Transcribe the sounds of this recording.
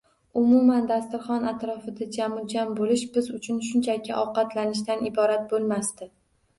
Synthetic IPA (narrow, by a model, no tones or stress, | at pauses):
ʊmʊmand̪ast̪ʊɾχɒnat̪ɾɒfɪd̪ad͡ʒamʊd͡ʒambolɪʃbɪzʊt͡ʃʰʊnʃ̬ʊnt͡ʃʰakʲʰɪʔɒwqɑt̪lanɪʃ̬t̪anɪbɒɾat̪̚bolˠmast̪ɪ